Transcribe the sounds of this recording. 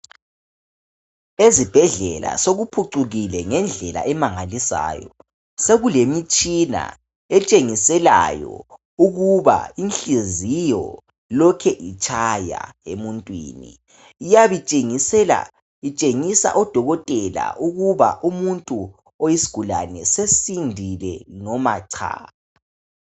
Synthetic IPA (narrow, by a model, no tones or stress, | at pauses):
ezib̥ʱɛɮɛla̰soɣupʰuǀuɣilɛŋɛnd͡ɮʱɛla̰ʔɛmaŋalisa̰ːjɔ̰ | seɣulemit͡ʃʼina̰ | ɛt͡ʃʼeŋisɛla̰jɔ̰ | uɣuβa̰inɬizijɔ̰ | lɔkʰɛʔit͡ʃʼʰaja̰emuntʼwḭːnḭː | jaβit͡ʃʼeŋisɛla̰ | it͡ʃʼeŋisa̰ʔɔd̥ʱɔɣɔtʼɛla̰ʔuɣuβa̰ʔumuntʼu | ojisi̥ɡ̥ʱula̰nɛsesindʱilɛ̰nɔma̰ǀʰa̰ːa